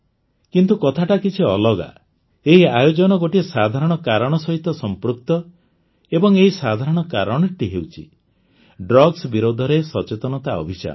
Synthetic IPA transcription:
kint̪ukɔt̪ʰaʈakit͡ʃʰiɔlɔɡa̰ | eɦiajod͡ʒɔnɔɡoʈiesad̪ʱaɾɔɽ̃ɔkaɾɔɽ̃ɔsɔɦit̪ɔsɔmpɾuk̚t̪ɔ | ebɔŋeɦisad̪ʱaɾɔɽ̃ɔka̰ɾɔɽ̃ɔɾʈiɦewt͡ʃʰḭ | ɖɾɔɡsbiɾod̪ʱɔɾesɔt͡ʃet̪ɔnɔt̪aɔ̰bʱit͡ʃa̰

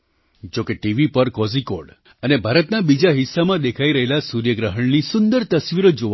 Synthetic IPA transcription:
d͡ʒokeʈiʋipəɾkɔzikoɽ | ənebʱaɾət̪nabid͡ʒaɦɪsːamãd̪ekʰaiɾəɦelasuɾjəɡɾəɦəɳnisʊnd̪əɾt̪əsʋiɾod͡ʒo

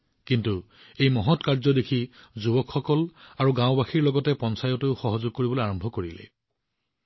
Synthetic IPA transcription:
kintu | ejmɔɦɔtkaɹzɔdekʰizubɔkxɔkɔlaɹuɡãʊ̃baxiɹlɔɡɔtɛpɔnsajɔtʊxɔɦɔzʊɡ̚koɹibɔloaɹɔmbʱɔkoɹilɛ̰

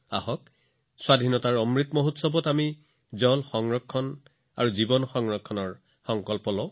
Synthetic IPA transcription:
ahɔk | swadʱinɔtaɹɔmɹitmɔɦutsɔbɔtami | zɔlxɔŋɹɔkʰːɔn | a̰ɹuzibɔnxɔŋɹɔkʰːɔnɔɹ | xɔŋkɔlpɔlɔ

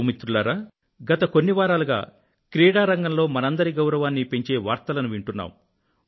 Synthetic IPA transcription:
mit̪ːɾulaːɾaː | ɡɐt̪ɐko̞nːiʋaːɾaːluɡa̰ː | kɾiːɽaːɾɐŋɡɐmlo̞ːmɐnɐnd̪ɐɾiɡɐwɾɐʋaːnːipe̞ɲt͡ʃe̞ːʋaːɾt̪ɐlɐnuʋiɳʈunːa̰ːm

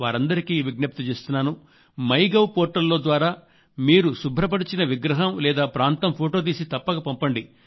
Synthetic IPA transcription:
ʋaːɾɐnd̪ɐɾikiːʋiɡnɐp̚t̪ut͡ʃeːst̪unːaːnu | mɐjɡɐwpoːɾʈːɐlːo̞ːd̪ʋaːɾaː | miːɾusubʱɾɐp̬ɐɽit͡ʃinɐʋiɡɾɐɦɐmlɛːd̪aːpɾaːnt̪ɐmpʰoːʈo̞ːt̪̬iːsit̪ɐpːɐɡaːpɐmpɐɳɖi

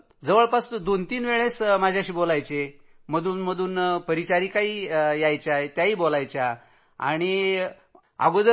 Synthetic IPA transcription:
d͡zəʋəɭpasd̪ont̪iːnʋeɭesmad͡ʑʱaɕiːbolajt͡ɕe | m̤əd̪uːnm̤əd̪uːnpəɾit͡ɕaɾiːkaiːjajt͡ɕjaet̪jaɦiːbolajt͡ɕja | a̰ɽ̃i | a̰ɡod̪

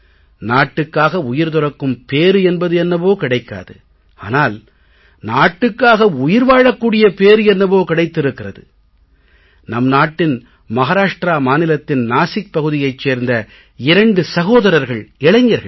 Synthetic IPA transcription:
naːʈːɯkːaːɣɐʊjɪɾt̪ʊrɐkːɯmpeːɾɯɛnbɐðɯɛnːɐpoːkɪɽɐɪkːa̰ːðɯ | a̰ːnaːl | naːʈːɯkːaːɣɐʊjɪɾʋaːɻɐkːuːɽɪjɐpeːɾɯɛnːɐpoːkɪɽɐɪt̪ːɪɾɯkːɪrɐðɯ̰ | nɐmnaːʈːɪn | mɐɣaːɾaːʂʈɾaːmaːnɪlɐt̪ːɪnnaːsɪk̚pɐɣɯðɪjɐɪt͡ʃːeːɾnd̪ɐ | ɪɾɐɳɖɯsɐɣoːðɐɾɐɾɣɐɭɪɭɐɲjɐɾɣɐ̰ɭ

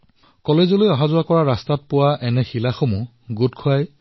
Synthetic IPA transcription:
kɔlezɔlojɔɦazʊakɔɹaɹastat̚pʊwaʔɛnɛxilaxomu | ɡutkʰʊaj

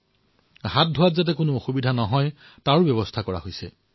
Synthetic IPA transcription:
ɦat̚dʱowatzat̬ɛkʊnʊoxubidʱanɔɦɔj | taɹbjɔbɔstʰakɔɹa̰ɦojsɛ̰

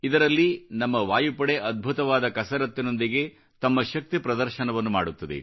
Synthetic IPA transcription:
id̪ɐɾɐlːinɐmːɐʋaːjupɐɽeʔɐd̪̚bʱut̪ɐʋaːd̪ɐkɐsɐɾɐt̪ːino̞nd̪iɡe̞ | t̪ɐmːɐʃɐk̚t̪ipɾɐd̪ɐɾʃɐnɐʋɐnːuma̰ːɽut̪ːɐd̪ḛ

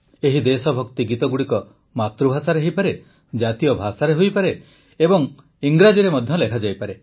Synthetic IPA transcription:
eɦid̪esɔbʱɔkt̪iɡit̪ɔɡuɽikɔ | mat̪ɾubʱasaɾeɦipaɾe | d͡ʒat̪ijɔbʱasaɾeɦojpaɾeː | bɔŋ | iŋɡɾad͡ʒiɾemɔd̪ʱjɔlekʰad͡ʒajpaɾe

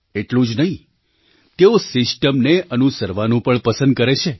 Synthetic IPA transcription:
eʈlũd͡ʒnəɦĩ | t̪eosɪsʈəmneʔənusəɾʋanũpəɳpəsə̃nd̪̚kəɾet͡ʃʰe

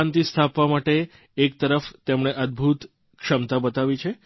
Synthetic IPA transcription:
ant̪ist̪ʰapʋamaʈeː | k̚t̪əɾəft̪emɳ̃eʔəd̪̚bʱut̪ | kʃəmt̪abət̪aʋit͡ʃʰe

